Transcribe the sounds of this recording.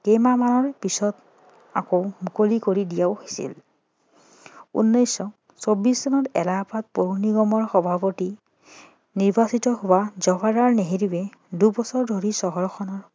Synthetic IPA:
kemamanɔɹpisɔt | a̰komukolikoɹidijaʊhesḭl | ṵnːɔjsɔ | sobisɔnɔtɛ̰lapat̚poɹuniɡɔmɔɹxɔbʱapoti | niɹbasitɔɦowazɔbaɹaɹneɦeɹiwɛdubɔsɔɹdʱoɹisɔɦɔɹɔxʰɔnɔɹ

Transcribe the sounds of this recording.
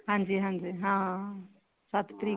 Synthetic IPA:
ɦãːnd͡ʒiɦãnd͡ʒiɦã | sat̪ʰt̪ɾi

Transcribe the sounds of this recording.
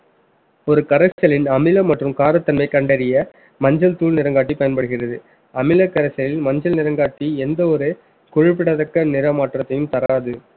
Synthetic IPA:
ɔɾɯkɐɾɐsɐlɪnɐmɪlɐmɐʈrɯmkaːɾɐt̪ːɐnmɐɪkːɐɳɖɐɾɪjɐ | mɐɲd͡ʒɐlt̪uːlnɪɾɐŋɡaːʈːipːɐjɐnpɐɽɯɣɪrɐðɯ | ɐmɪlɐkːɐɾɐsɐlɪlmɐɲd͡ʒɐlnɪɾɐŋɡaːʈːiɛnd̪ɐɔɾɯ | kɔɻɪp̬ːɪɽɐðɐkːɐnɪɾɐmaːʈrɐt̪ːɐjɯmt̪ɐɾaːðɯ

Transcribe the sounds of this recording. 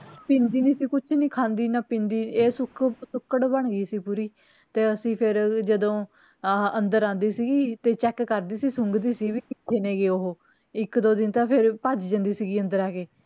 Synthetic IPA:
pɪ̃nd̪iːniːsiːkʊt͡ʃʰnĩːkʰãːnd̪iːnaːpĩnd̪iːeːsʊkʰsʊkːəɽbəɳ̃ɡiːsiːpuːɾiː | t̪eːəsĩːpʰɪɾd͡ʒəd̪õː | ənd̪əɾãːnd̪iːsiːɡiːt̪eːt͡ʃɛːkːəɾd̪iːsiːsʊŋɡd̪iːsiːʋiːkɪt̪ʰːeːneːɡeːoɦoː | ɪkd̪oːd̪ɪnt̪aːpʰɪɾpad͡ʒd͡ʒə̃nd̪iːsiːɡiːənd̪əɾaːkeː

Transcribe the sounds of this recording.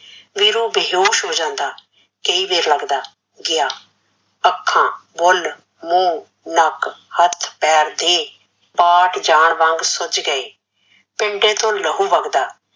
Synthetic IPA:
ʋiːɾũːbeɦoːʃɦoːd͡ʒãːnd̪aː | keiːbeːɾləɡd̪aː | ɡɪjaː | əkʰːãːbʊl | mũː | nəkhət̪ʰpɛːɾd̪eː | paːʈd͡ʒaːɳʋə̃ŋɡsʊt͡ʃɡəeː | pɪɳɖẽːt̪õːləɦuːʋəɡd̪aː

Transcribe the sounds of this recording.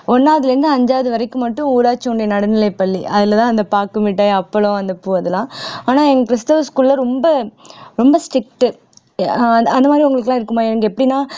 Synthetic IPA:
ɔnːaːðɪlɪɾɯnd̪ɯɐɲd͡ʒaːʋɐðɯʋɐɾɐɪkːɯmɐʈːɯ̃uːɾaːt͡ʃːɐʊɳɖejɐnɐɽɐnɪlɐɪpɐɭːiʔɐðɪlɐt̪ãːɐnd̪ɐpaːɾkɯmiʈ̬ːaːɐpːɐɭɔ̃ɐnd̪ɐpːuɐðɯlãːaːnaːɛŋɡɐkɾɪst̪ɐʋskuːlːɐɾɔmbɐɾɔmbɐsʈɾɪk̚ʈːɯ | ɐnd̪ɐmaːd̪ɾiʊŋɡɐɭɯkːlaːɪɾɯkːɯmaːɛnɐŋɡɐɛpːɐɽinaː

